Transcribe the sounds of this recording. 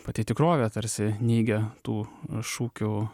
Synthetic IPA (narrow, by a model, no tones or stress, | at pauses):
pɐt̪ʲɪt̪ʲɪkɾoːʋʲɛt̪ɐɾʲsʲɪnʲiːɡʲɛt̪uːʃuːkʲʊ